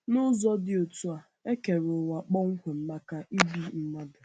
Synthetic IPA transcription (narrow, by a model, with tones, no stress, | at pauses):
nʊ˦zɔ˦dɪ˨o˨tu˦a˨ | e˦ke˨ɾo˨wa˨k͡pɔ˦ŋ̩˦kʷe˨m̩˦ma˦ka˦ʔi˦bi˦m̩˦ma˦dʊ˨